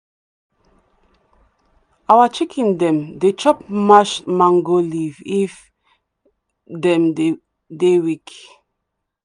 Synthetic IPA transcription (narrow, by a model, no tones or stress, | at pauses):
awat͡ʃikʰĩndɛ̃mdet͡ʃɔp̚maʃmãŋɡolivif | dɛ̃mde | dewik